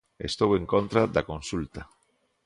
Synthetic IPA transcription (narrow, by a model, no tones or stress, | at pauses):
ḛst̪owẽŋkont̪ɾad̪akõnsult̪a